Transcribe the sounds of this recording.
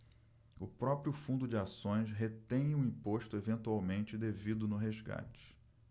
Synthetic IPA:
ʊpɾɔpɾiʊfũnd̪ʊd͡ʒɪasõj̃sɦet̪ẽj̃ũĩpoʃt̪ʊevẽnt̪uawmẽnt͡ʃɪd̪evid̪ʊnʊɦezɡa̰t͡ʃɪ̥

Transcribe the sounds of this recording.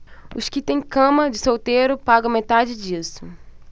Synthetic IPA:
ʊskɪt̪ẽj̃kɐ̃mɐd͡ʒɪsowt̪eɾʊpaɡɐ̃w̃met̪ad͡ʒɪd͡ʒisʊ

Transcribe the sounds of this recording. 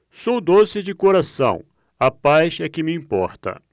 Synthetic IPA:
sowd̪osɪd͡ʒɪkoɾasɐ̰̃w̃ | ɐpajsɛkɪmɪĩpɔ̰ɾt̪ɐ̰

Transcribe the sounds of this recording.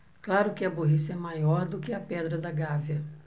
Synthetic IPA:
klaɾʊkɪɐboɦisɐɛmajɔɾd̪ʊkɪɐpɛd̪ɾɐd̪ɐɡaviɐ

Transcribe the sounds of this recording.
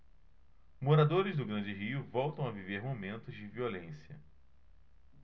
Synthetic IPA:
moɾad̪oɾɪzd̪ʊɡɾɐ̃nd͡ʒɪɦiʊvɔwt̪ɐ̃w̃ɐviveɾmomẽnt̪ʊzd͡ʒɪviolẽsiɐ̰

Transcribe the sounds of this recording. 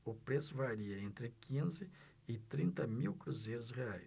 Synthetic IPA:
ʊpɾesʊvaɾiɐẽnt̪ɾɪkʰĩzɪ | ɪt̪ɾĩnt̪ɐmiwkɾuzejɾʊsheaj

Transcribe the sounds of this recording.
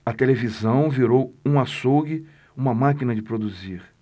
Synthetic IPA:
ɐt̪elevizɐ̃w̃viɾowũasowɡɪ | ũmɐmakinɐd͡ʒɪpɾod̪uziɾ

